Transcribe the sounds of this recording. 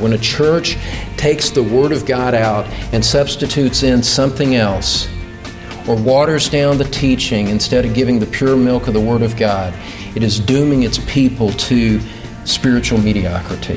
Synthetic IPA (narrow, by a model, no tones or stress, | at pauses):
wə̃nɨt͡ʃʰɜ˞t͡ʃtʰeɪksðəwɜ˞ɾʌvɡɑɾaʊɾɨ̃nsʌb̥stɨtʰʉtsɪ̃nsʌ̃mθɪ̃ŋɛlˠs | ə˞wɔɾə˞zdãʊ̃nðɨtʰit͡ʃɪ̃ŋɨ̃nstɛɾʌvɡɪvɪ̃ŋðɨpʰj̥ʊɹmɪlˠkʌvðəwɜ˞ɾʌvɡɑɾ | ɨɾɨzdʉ̃mɪ̃ŋɨtspʰipl̩ˠtʰɨ | spɪɹɨt͡ʃul̩ˠmiɾiɑ̰kɹɨɾḭ